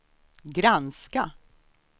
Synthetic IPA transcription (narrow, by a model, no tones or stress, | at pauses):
ɡɾanska